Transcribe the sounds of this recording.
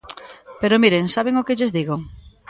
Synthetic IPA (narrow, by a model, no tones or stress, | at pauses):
peɾʊmiɾeŋsaβeŋʊkɪʎɪzðiɣoŋ